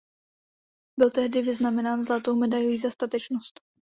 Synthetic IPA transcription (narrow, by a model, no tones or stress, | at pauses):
bɪlt̪ɛɦdɪvɪznamɛnaːnzlat̪owmɛdajojiːzast̪at̪ɛt͡ʃnost̪